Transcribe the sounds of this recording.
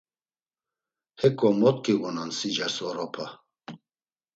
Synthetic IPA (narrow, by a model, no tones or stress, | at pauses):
hɛkʼɔmɔt̪̚kʼiɣɔnansid͡ʒasɔɾɔpʰa